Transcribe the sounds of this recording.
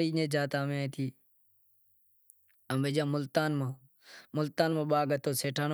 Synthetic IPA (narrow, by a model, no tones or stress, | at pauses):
ɾiːnẽːd͡ʒaːt̪ãːmẽːaẽːt̪ʰiː | əmbeːd͡ʒãːmʊlt̪aːnmãː | mʊlt̪aːnmãːɓaːɡət̪ʰoːseːʈʰaːn